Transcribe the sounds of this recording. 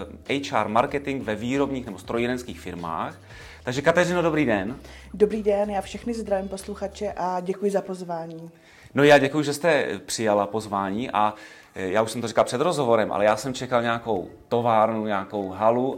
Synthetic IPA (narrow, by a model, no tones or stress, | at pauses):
ʔɛjt͡ʃa̰ːɾmaɾkɛt̪ɪŋkvɛviːɾo̞bɲiːxnɛbo̞st̪ɾojiɾɛnskiːxfɪɾma̰ːx | t̪aɡʒɛkat̪ɛrɪnodo̞bɾiːdɛn | dobɾiːdɛnjaːfʃɛxnɪzd̪ɾaviːmpo̞sluxat͡ʃɛʔaɟɛkujɪzapo̞zvaːɲiː | nojaːɟɛkujuʒɛst̪ɛpr̥ɪjalapo̞zvaːɲiːʔa | jaːuʃsɛmt̪orikalpr̥ɛd̪ɾo̞zɦovo̞ɾɛmʔa̰lɛjaːsɛmt͡ʃɛkalɲɛako̞wt̪o̞vaːɾnuɲaːko̞wɦalu